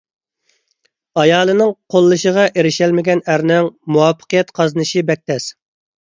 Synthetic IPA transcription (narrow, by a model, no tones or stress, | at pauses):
ɑjɑːlˠɨnɨŋqʰolˠːɨʃəʁɑʔeɾɪʃɛlmɪɡʲɛnæɾnɛŋmuwɑpʰːə̥qəjɛt̪qʰɑzɨnɨʃibɛk̚ʲt̪ʰɛs